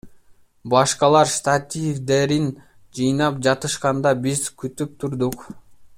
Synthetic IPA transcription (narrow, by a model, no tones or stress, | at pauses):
bɑʃqɑlˠɑɾst̪at̪ʲivd̪e̞ɾin | d͡ʒɯjnɑpd͡ʒɑt̪ɯʃqɑnd̪ɑbizkyt̪yp̚t̪ʰuɾd̪uq